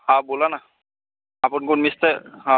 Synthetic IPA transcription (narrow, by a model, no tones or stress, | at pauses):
hãbolana | apʊnkunmist̪ɛɦã